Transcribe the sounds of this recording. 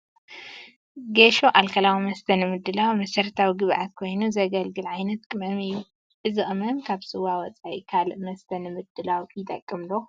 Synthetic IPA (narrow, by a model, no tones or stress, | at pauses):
ɡeʃoʔalkʰɐlawimɐst̪ʰɐnɨmɨd̪ːɨlawmɐsɐɾt̪ʰawiɡɨβʔat̪̚kʰo̞jnuzɐɡɐlɡɨlʕajnɐt̪̚kʼɨmɐmɨjːu | ʔɨzɨʔɨmɐmkʰaβsɨwawɔt͡sʼaʔḭkʰalʔmɐst̪ʰɐnɨmɨd̪ːɨlawkʰjt̪ʼɐkʼːɨmlo